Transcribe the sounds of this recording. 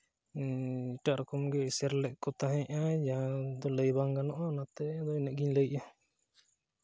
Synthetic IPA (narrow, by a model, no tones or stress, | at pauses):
iʈaʔɾɔkɔmɡɛsaɾlɛʔkɔt̪aɦɛ̃ʔajad̪ɔləjbaŋɡanɔʔanat̪ɛad̪ɔinɛʔɡiɲləjʔa